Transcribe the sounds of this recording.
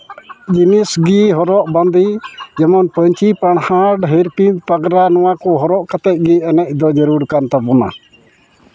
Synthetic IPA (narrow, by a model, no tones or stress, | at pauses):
d͡ʒinisɡiɦɔɾɔʔband̪id͡ʒɛmɔnpəɲt͡ʃipaɳ̃haɖɦiɾpinpaɡɾanɔwakɔɦɔɾɔʔkat̪ɛt̪̚ˀɡiɛnɛc̚ˀd̪ɔd͡ʒəɾuɾkant̪apɔna̰